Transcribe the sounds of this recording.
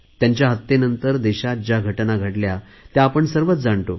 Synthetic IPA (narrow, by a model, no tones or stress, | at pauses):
t̪jaɲt͡ɕjaɦət̪ːenənt̪əɾd̪eɕad͡ʑaɡʱəʈnaɡʱəʈlja | t̪jaːpəɳsəɾʋət͡sd͡zaɳt̪o